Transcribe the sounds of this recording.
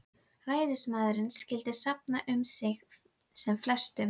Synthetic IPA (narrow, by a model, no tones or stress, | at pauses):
raːjðɪsmaːðɾɪnsːcɪlt̪ɪsap̚naʔʏmsɪx | sɛmflɛ̥st̪ʏ